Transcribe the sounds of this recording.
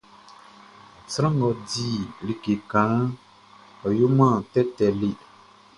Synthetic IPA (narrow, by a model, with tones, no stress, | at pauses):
sɾɔ̃˦ŋɡɔ˨di˦˨li˨ke˨kã˨˦ | ɔ˨ju˦mã˦˨tɛ˦tɛ˨li˦˨